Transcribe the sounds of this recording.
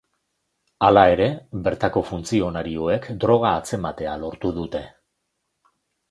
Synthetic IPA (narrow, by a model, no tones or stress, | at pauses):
alae̞ɾe̞βe̞ɾt̪ako̞funt͡sio̞naɾio̞e̞kd̪ɾo̞ɣ̞aːt͡se̞mat̪e̞alo̞ɾt̪uð̞ut̪e̞